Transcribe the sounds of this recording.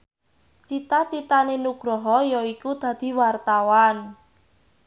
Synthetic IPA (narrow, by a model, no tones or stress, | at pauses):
t͡ʃit̪at͡ʃit̪anenuɡ̥ɾɔɦɔjɔikud̪̥ä̤d̪̥i̤wart̪awan